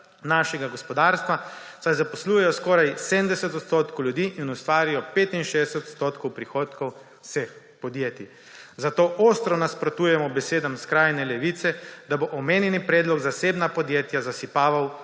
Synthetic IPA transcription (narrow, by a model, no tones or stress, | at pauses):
naːʃɛɡaɡɔspɔd̪aːɾst̪ʋasajzapɔsluːjɛjɔskɔːɾajsemd̪ɛsɛt̪ɔt̪st̪oːt̪kʰowljud̪iːʔinust̪ʋaːɾijɔpeːt̪inʃeːd̪ɛsɛt̪ɔt̪st̪oːt̪kɔwpɾixoːt̪kɔw | sex | pɔd̪jeːt̪i | zat̪oːʔoːst̪ɾɔnaspɾɔt̪uːjɛmɔbɛseːd̪amskɾaːjnɛlɛʋit̪sɛd̪aboʔɔmeːnjɛnipɾeːd̪lɔɡzaseːbnapɔd̪jeːt̪jazasipaːʋaw